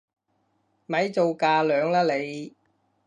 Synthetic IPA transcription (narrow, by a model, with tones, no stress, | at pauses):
mɐ˨˥jt͡so˨wkaː˧lœː˨˧ŋlaː˥le˨˧j